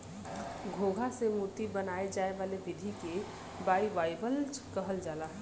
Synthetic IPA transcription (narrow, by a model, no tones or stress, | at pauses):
ɡʱoɡʱasemut̪ibənaed͡ʒaeʋalebid̪ʱike | baibajbəlt͡ʃʰkəɦəld͡ʒalaɦ